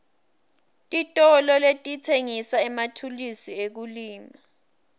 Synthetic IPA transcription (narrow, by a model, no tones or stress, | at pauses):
tʼitʼɔlɔletʼitʰeŋisaɛmatʰulisiek̬uliːma